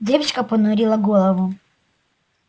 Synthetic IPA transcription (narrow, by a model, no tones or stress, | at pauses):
d̪ʲɛwt͡ʃkɐpɔnɔɾʲilˠɐɡɔlˠɔʋu